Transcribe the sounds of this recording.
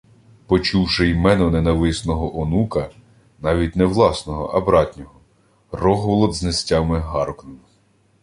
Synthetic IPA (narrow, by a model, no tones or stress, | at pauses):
pɔt͡ʃuwʃɪjmɛnɔnɛnɐʋɪsnɔɦɔʔɔnukɐ | nɑʋʲitʲnɛwlˠɑsnɔɦɔ̰ʔɐ̰bɾɑtʲnʲɔɦɔ | rɔɦɔʋlˠɔd̪znesʲtʲɑmɪɦɑɾɔknɔm